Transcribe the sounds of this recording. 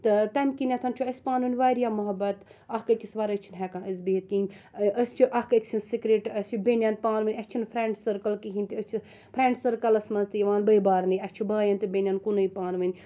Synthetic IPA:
t̪ɨt̪ɐmʲkinʲɐt̪ʰɐnt͡ʃʰuɐsʲpaːnunʲʋaːɾijaːmɐɦɐbɐt̪ɐhkɐkʲisʋaːɾɐt͡ʃʰinɦɛkãːʔɐzbit̪̚kinʲɐst͡ʃʰiʔɐhkɐksinsikɾeːʈɐsʲt͡ʃʰubʲenʲjɐnpaːnʋɐnʲɐt͡ʃʰinpʰɾeːɳɖsɐɾkɐlkiɦinʲt̪iɐst͡ʃʰi | pʰɾeːɳɖsɐɾkɐlɐsmɐnzt̪ɨjiʋaːnbɐjbaːɾniɐst͡ʃʰibaːjɐnt̪ɨbʲenʲjɐnkunɐjpaːnʋɐnʲ

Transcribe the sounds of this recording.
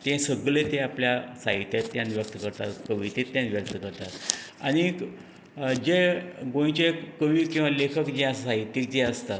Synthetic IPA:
t̪ẽsəɡɭet̪ẽapljasa̰ɦit̪jet̪ːjãnʋjək̚t̪əkəɾt̪at̪kəʋit̪et̪ːjãnʋjəkt̪əkəɾt̪at̪a̰ɽ̃i | d͡ʑeɡõj̃t͡ɕekəʋiːkĩw̃ʋalekʰəkd͡ʑeasaɦit̪ːik̚d͡ʑeəst̪at̪

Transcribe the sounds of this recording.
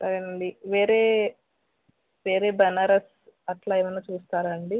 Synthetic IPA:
sɐɾenɐɳɖiʋeːɾeː | ʋe̞ːɾe̞ːbɐnaːɾɐs | ɐʈlaːeːmɐnːaːt͡ʃuːst̪aːɾɐɳɖi

